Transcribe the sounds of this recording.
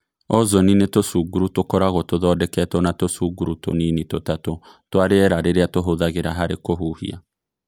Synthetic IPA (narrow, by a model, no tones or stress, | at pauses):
ɔzɔninetosuɡuɾutokɔɾaɣɔtoðɔdɛkɛtɔnatosuɡuɾuto̰ninitotato | twaɾeɛɾaɾeɾeatoɦoðaɣeɾaɦaɾekoɦuhḭa̰